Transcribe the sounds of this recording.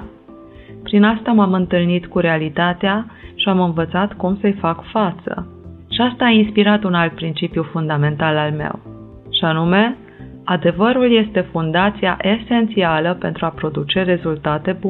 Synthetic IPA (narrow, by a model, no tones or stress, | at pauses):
pɾinast̪amamɨnt̪ɨlnit̪kuɾe̞alit̪at̪eaʃiamɨnvət̪sat̪kumsəjfakfat̪sə̰ | ʃiast̪aːinspiɾat̪unalt̪̚pɾint͡ʃipjufund̪ame̞nt̪alalme̞̰w | ʃianume̞ | ad̪e̞vəɾulje̞st̪e̞fund̪at̪sijaʔe̞se̞nt̪sialəpe̞nt̪ɾuapɾo̞d̪ut͡ʃe̞re̞zult̪at̪e̞bu